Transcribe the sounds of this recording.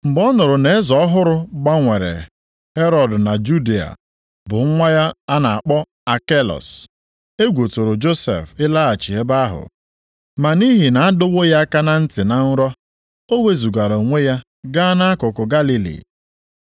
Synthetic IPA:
m̩˨bɔ˦nʊ˨ɾʊ˨ne˨e˦zɔ˨ɔ˦ɦʊ˦ɾʊ˦ɡ͡ba˦ŋʷe˨ɾḛ˨ | he˦ɾɔ˨dna˨d͡ʒu˦de˦˨a̰˨ | bʊ˨ŋ̩˦ŋʷa˦ja˦a˦na˨a˨k͡pɔ˦ | a˨ke˦lɔ̰˨s | e˦ɡʷo˨tʊ˨ɾʊ˨d͡ʒo˦sḛ˨fɪ˦la˦a˨t͡ʃi˨ɦe˦ba˦ɦʊ̰˨ | ma˨ni˦ɦi˨na˨a˦dʊ˦wo˦ja˦a˦ka˦na˦n̩˦tɪ˨na˨n̩˦ɾɔ˦ | o˦we˦zu˨ɡa˨ɾo˨ŋʷe˦ja˦ | ɡa˦na˦a˦kʊ˨kʊ˨ɡa˦li˦lḭ˨

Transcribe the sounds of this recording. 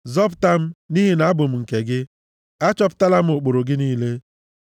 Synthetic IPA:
zɔ˦p̬ʊ̥˦˨ta˦m̩˦ni˦ɦi˨na˨a˦bʊ˨m̩˨ŋ̩˨ke˨ɡɪ˦ | a˦t͡ʃɔ˦p̬ʊ̥˦ta˦la˦m̩˦ʊ˨k͡po˨ɾo˨ɡɪ˦niː˦le˦

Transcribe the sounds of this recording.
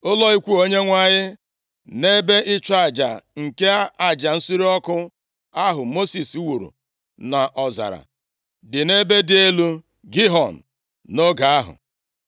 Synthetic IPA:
ʊ˦lɔ˦i˦kʷu˦o˦ɲe˦ŋʷa˦ɲɪ˦ | ne˦be˦ʔɪ˦t͡ʃa˦˨d͡ʒa̰˨ŋ̩˨ke˦a˦a˨d͡ʒa˨n̩˦si˦ɾi˦ɔ˦kʊ˦ | a˦ɦʊ˨mo˦si˨su˦wu˨ɾṵ˨ | na˨ʔɔ˨za̰˨ɾa̰˨ | dɪ˨ne˦be˦dɪ˦e˦lu˦ | ɡi˦ɦɔ˨n̩ː˨ | o˦ɡa˨a˦ɦʊ̰˨

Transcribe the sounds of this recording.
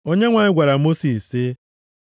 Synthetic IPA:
o˦ɲe˦ŋʷa˨ɲɪ˦ɡʷa˨ɾa˨mo˦si˨sɪ˦

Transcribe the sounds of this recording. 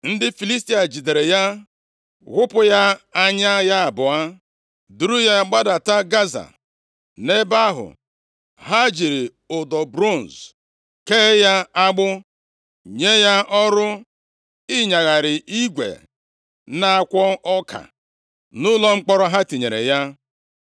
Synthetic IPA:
n̩˦dɪ˦fi˨li˦sti˦a˨d͡ʒi˨de˨ɾe˨ja˦ | ɣʷʊ˦pʊ˦ja˦a˦ɲa˦ja˦a˨bʊ˨a˦ | du˨ɾu˦ja˦ɡ͡ba˦da˨ta˦ɡa˦za̰˨ | ne˦ba˦ɦʊ̰˨ | ɦa˦d͡ʒi˨ɾi˨ | ʊ˨dɔ˨bɾo˦˨n̩˨z | ke˦ja˦a˦ɡ͡bʊ˦ | ɲe˦ja˦ɔ˦ɾʊ˦ | i˦ɲa˨ɣa˨ɾɪ˨i˦ɡʷḛ˨ | na˦kʷɔ˦ɔ˦kʰa̰˨ | nʊ˦lɔ˦ŋ͡m̩˦k͡pɔ˦ɾɔ˦ɦa˦ti˨ɲe˨ɾḛ˨ja˦

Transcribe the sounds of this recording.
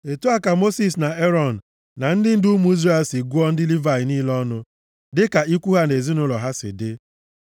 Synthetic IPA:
e˨tu˦a˦ka˨mo˦si˨s̬na˨e˦ɾɔ˦˨n̩˨ | na˨n̩˦dɪ˦n̩˦du˦mu˨˦i˦zre˦ɛ˦˨lsi˨ɡu˦ɔ˦n̩˦dɪ˦li˦va˨ɪ˨niː˦lɔ˦nʊ˦ | dɪ˦ka˨i˦kʷu˦ɦa˦ne˨zi˦nʊ˦lɔ˨ɦa˦sɪ̰˨dɪ˦

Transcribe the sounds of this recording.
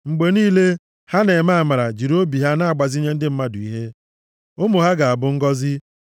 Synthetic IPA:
ŋ͡m̩˨ɡ͡be˨niː˦le˦ | ha˦ne˨ma˦a˨ma˨ɾa˨d͡ʒi˨ɾo˦bi˨ɦa˦na˦a˦˨ɡ͡ba˨zi˦ɲe˦n̩˦dɪ˦m̩˦ma˦dʊ˨i˦ɦe˦ | o˦mʊ˨ɦa˦ɡa˨a˨bʊ˦ŋ̩˦ɡɔ˦zɪ˦

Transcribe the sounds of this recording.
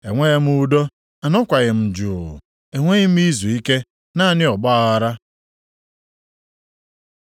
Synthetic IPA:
e˨ŋʷe˦e˦m̩˦u˦do˦ | a˨nɔ˦kʷa˨ɣɪ˨m̩˨d͡ʒuː˨ɣ̰ | e˨ŋʷe˦ɣɪ˦m̩˦i˦zu˨i˦ke˦ | na˦˨nɪ˦ɔ˨ɡ͡ba˦˨ɣa˨ɾa˦

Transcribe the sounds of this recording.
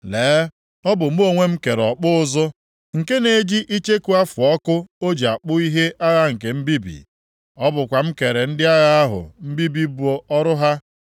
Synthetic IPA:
leː˨˦ | ɔ˦bʊ˨m̩˦o˦˨ŋʷe˦m̩˦ke˨ɾɔ˨k͡pʊ˦ʊ˦zʊ˦ | ŋ̩˨ke˦ne˨˦d͡ʒi˦ʔi˦t͡ʃe˦ku˨˦a˦fʊ˨ɔ˦kʊ˦o˦d͡ʒi˨a˨k͡pʊ˦i˦ɦe˦a˦ɣa˦ŋ̩˨ke˨m̩˦bi˦bḭ˨ | ɔ˦bʊ˨kʷa˨m̩˦ke˨ɾe˨n̩˦dɪ˦a˦ɣa˦a˦ɦʊ̰˨m̩˦bi˦bi˦bu˨o˦ɔ˦ɾʊ˦ɦa˦

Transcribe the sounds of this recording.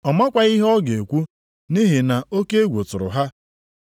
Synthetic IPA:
ɔ˨ma˦kʷa˨i˦ɦɔ˦ɡe˨kʷu˦ | ni˦ɦi˨na˨o˦ke˦e˦ɡʷo˨tʊ˨ɾʊ̰˨ɦa˦

